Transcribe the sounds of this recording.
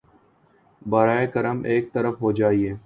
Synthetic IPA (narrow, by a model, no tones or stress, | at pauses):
baːɾaːekɐɾəmʔeːk̚t̪ɐɾəfɦoːd͡ʒaːieː